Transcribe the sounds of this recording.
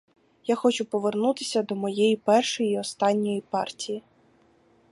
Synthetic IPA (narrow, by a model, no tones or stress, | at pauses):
jaxɔt͡ʃʊpɔʋernut̪ɪsʲɐd̪ɔmɔjejipɛrʃɔjiɔst̪ɑnʲːɔjipɑrtʲiji